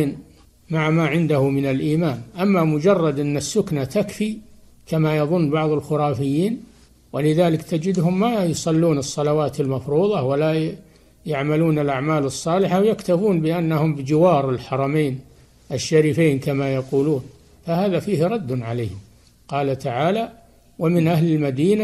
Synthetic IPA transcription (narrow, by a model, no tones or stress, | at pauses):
n | maʕmaʕɪnd̪ahʊmɪnalʔiːmaːnʔamːamʊd͡ʒɑrˤːɑd̪ʔɪnːasːʊknat̪akfi | kamajɑðˤʊnːbɑʕðˤɑlxʊɾˤɑːfɪjːiːn | wɪlɪðaːlɪkt̪ad͡ʒɪd̪hʊmːajʊsˤɑlːuːnɨsˤːɑlawaːt̪almɑfɾuːðˤɑwala | jaʕmaluːnɪlʔaʕmaːlɨsˤːɑːlɪħawjakt̪afuːnbɪʔanːahʊmbɪd͡ʒɪwɑːɾˤɪlħɑɾˤɑmeːn | ʔɪʃːaɾiːfeːnkamajɑquːluːn | fahaːðafiːhɾˤɑd̪ːnʕaleːhɪm | qɑːlat̪aʕaːla | wamɪnʔahlɪlmad̪iːna